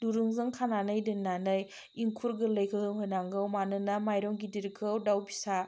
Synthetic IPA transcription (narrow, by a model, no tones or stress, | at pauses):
duɾɯŋzɯŋkʰananɯjdɯnːanɯj | iŋkʰuɾɡɯləjkʰɯɡɯŋɦojnaŋɡɯwmanɯnɐmajɾɔŋɡidiɾkʰɯwdawbisa